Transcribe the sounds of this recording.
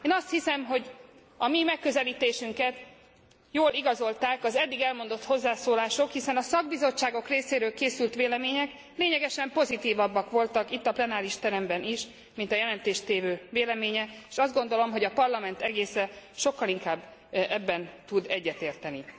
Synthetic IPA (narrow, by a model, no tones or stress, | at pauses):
eːnɒst̪hisɛmɦo̞ɟ | ɒmimɛkːøzɛliːt̪eːʃyŋkɛt̪ | joːliɡɒzo̞lt̪aːkɒzɛd̪ːiɡɛlmo̞nd̪o̞t̪ho̞zːaːsoːlaːʃokhisɛnɒsɒɡ̚bizo̞t͡ʃːaːɡo̞kreːseːɾøːlkeːsylt̪ʋeːlɛmeːɲɛk | leːɲɛɡɛʃɛmpo̞zit̪iːvɒbːɒkʋo̞lt̪ɒkit̪ːɒplɛnaːɾiʃt̪ɛɾɛmbɛniʃ | mint̪ɒjɛlɛnt̪eːʃt̪eːvøːveːlɛmeːɲɛeːʃɒzd̪ɡo̞nd̪o̞lo̞mɦo̞ɟɒpɒrlɒmɛnt̪ɛɡeːsɛʃo̞kːɒliŋkaːbːɛbːɛnt̪ud̪ɛɟːɛt̪eːrt̪ɛni